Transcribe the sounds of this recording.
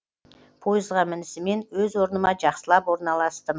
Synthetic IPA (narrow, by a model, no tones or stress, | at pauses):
pʰo̞jəzʁɑmɪnɪsɪme̞nwɵzwo̞ɾnəmɑʒɑqsəlˠɑpwoɾnɑlˠɑst̪əm